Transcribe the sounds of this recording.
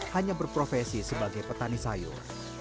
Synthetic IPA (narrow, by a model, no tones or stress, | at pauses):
haɲabərpɾofɛsisəbaɡajpət̪anisajo̰